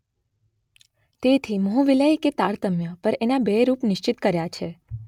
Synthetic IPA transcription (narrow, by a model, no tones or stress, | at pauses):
t̪et̪ʰiməɦũʋiləjket̪aɾt̪əmjəpəɾenabeɾupnɪʃt͡ʃɪt̪kəɾjat͡ʃʰe